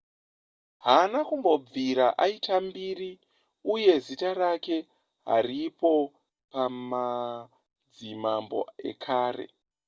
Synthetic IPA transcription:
ɦanakumbo̞b͡viɾaʔaitambiri | uje̞zitarake̞ | ɦa̰ripo̞ | pama | d͡zimambo̞̰e̞̰kʰaːre̞̰

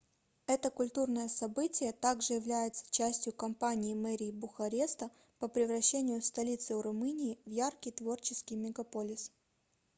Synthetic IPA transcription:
ɛt̪əkʊlʲt̪urnəjəsɐbɨtʲɪjət̪aɡʐɨjɪvlʲæjɪt̪sə̥t͡ɕæsʲtʲjʊkɐmpanʲɪːmɛɾʲɪːbʊxɐɾʲest̪ə | pəpɾʲɪvɾɐɕːenʲɪjʊst̪ɐlʲit̪sɨʊɾʊmɨnʲɪːvjarkʲijt̪vo̞rt͡ɕɪskʲɪjmʲɪɡɐpo̞lʲɪs

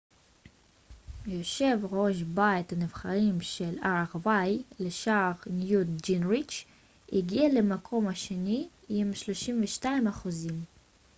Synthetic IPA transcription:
jo̞ʃe̞vʁo̞ʃ̬bait̪hanivχaʁimʃelaʁvajleʃaʁnjudd͡ʒinʁit͡ʃ | iɡialemakʰo̞mhaʃeni | imʃloʃimveʃtaimaχuzim

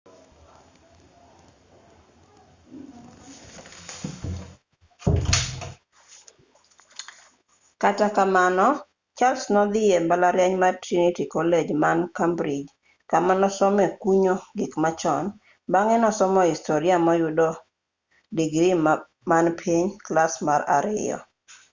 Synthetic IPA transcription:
katakamanɔ | t͡ʃalsnɔd̪ɪjembalaɾjɛɲmatɾinitikɔled͡ʒmankambɾid͡ʒ | kamanɔsɔmɛkuɲoɡɪkmat͡ʃɔn | baŋɛnɔsɔmɔistoɾɪamɔjudo | diɡɾi | manpʰiɲklasmaɾa̰ɾɪ̰ɔ̰

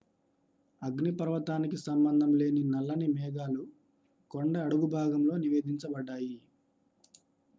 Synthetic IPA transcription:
ɐɡnipɐɾʋɐt̪aːnikisɐmbɐnd̪ʱɐmle̞ːninɐlːɐnimɛːɡaːlu | koɳɖɐːɽuɡubʱaːɡɐmlo̞ːniʋe̞ːd̪ʱiɲt͡ʃɐbɐɖːaːji

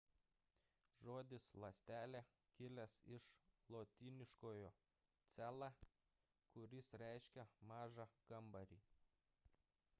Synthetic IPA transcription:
ʒoːd̪ʲɪslˠɐsʲt̪ʲæːlʲɛ | kʲɪlʲɛsɪʃlˠoːt̪ʲiːnʲɪʃkoːjoː | t̪sʲæːlˠɑ | kʊɾʲɪsɾʲɛɪʃʲkʲɛmɑːʒɑɡ̥ɐmbɐɾʲḭː

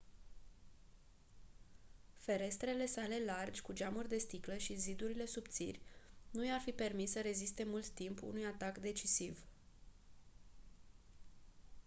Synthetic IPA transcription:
fe̞ɾe̞st̪ɾe̞le̞sale̞lard͡ʒʲkud͡ʒamurʲd̪e̞st̪ikləʃizid̪uɾile̞supt̪sḭrʲnujarfipe̞rmissəɾe̞zist̪e̞mult̪ːimpṵnujat̪akd̪e̞t͡ʃisiv

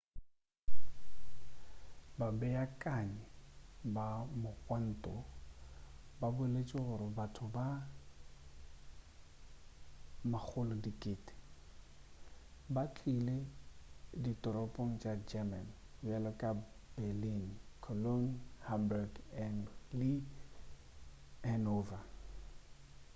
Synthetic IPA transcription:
babɛakʼaɲɛbamʊkʼwan̩tʼɔ | babʊɛlet͡ʃʼɪɣʊɾɪbatʰʊba | mak͡xʰʊlɔdikʼɪːtʼɪ̥ | bat͡ɬʰʼile | ditʼɔɾɔpʼoŋ̩t͡ʃʼad͡ʒɛman | bɛlɔkʼa | bɛlinkʰɔlonhambɛɡɛnlɪ | hɛnova

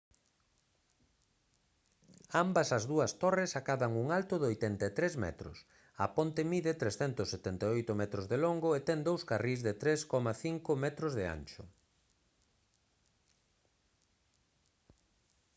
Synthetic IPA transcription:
ambɐsɐzðuɐst̪oresakaβɐŋuŋalt̪ʊðojt̪ɛnt̪et̪ɾezmɛ̰t̪ɾʊ̰s | ɐ̰pont̪ɪmiðet̪ɾesθɛnt̪ʊsːet̪ɛnt̪aojt̪ʊmɛt̪ɾozðeloŋɡoet̪ɛŋd̪owskarizðɪt̪ɾeskɔmaθiŋkʊmɛt̪ɾʊzðɪa̰nt͡ʃʊ̰

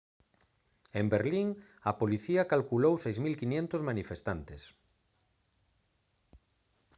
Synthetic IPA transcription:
embeɾliŋ | ɐpoliθiɐkalkulowsejzmilkinẽnt̪ozmanifest̪ant̪es

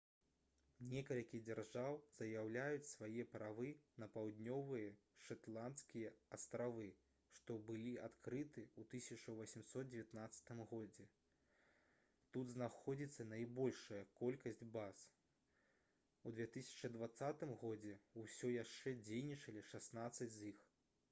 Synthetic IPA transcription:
nʲɛkɐlʲkʲid͡zʲarʐawz̥ɐjawlʲajut͡sʲsvajɛpɾavɨnɐpawd̪ʲnʲɔvɨjɐʂat̪lˠant̪skʲijɐɐst̪ɾavɨ | ʂt̪ɔbɨlʲiat̪kɾɨt̪ɨut̪ɨsʲɐt͡ʂɐvɐsʲimsɔt̪̚d͡zʲvʲjat̪nat̪sːɐ̥t̪ɨmɣɔd͡zʲɛ | t̪ud̪znaxɔd͡zʲit̪sːɐnajbɔlʲʂɐjɐkɔlʲkɐsʲd͡zʲbas | ud̪vʲɛt̪ɨsʲɐ̥t͡ʂɐd̪vat̪sːat̪ɨmɣɔd͡zʲɛusʲɔjaʂt͡ʂɛd͡zʲejnʲit͡ʂɐlʲiʂasnat̪sɐd͡zʲzix

